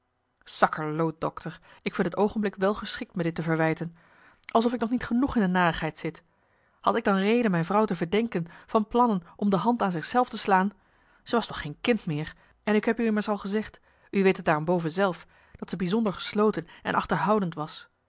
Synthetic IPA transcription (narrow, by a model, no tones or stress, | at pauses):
sɑkəɹlowt̚d̥ɔ̰ktʰəɹɪkfɪntətowχənblɪkʋɛlˠχəsχɪk̚tmɛt̚dɪtːəvəɹʋɛjtən | ʔɑlˠsɔfɪk̚nɔχnitχənuχɪndənaːrəχɦɛjtsɪt | hɑ̰tɪɡ̚dɑnrejdənmɛjnvrɑwtəvəɹdɛŋkənv̥ɑnplɑnənʔɔmdəɦɑntaːnzɪχsɛlˠftəslaːn | z̥əʋɑstɔχːeːjnkɪntmɪːɹ | ʔɛnɪkɦɛpyɪməɹsɑlˠχəzɛχt | yʋejtət̚d̥aːrɔmbowvənzɛlˠf | d̥ɑtsəbizɔndəɹχə̥sloːwtənʔɛ̰nʔɑ̰χtəɹɦɑwdəntʋɑs